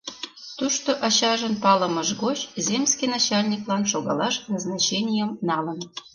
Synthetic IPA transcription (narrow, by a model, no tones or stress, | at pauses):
t̪uʃt̪oʔɑɕɑʒənpɑlə̆məʃɣot͡ɕzʲemskʲinɑt͡ɕɑlʲnʲiklɑnʃoɣɑ̰lɑʃnɑznɑt͡ɕenʲijəmnɑlə̆n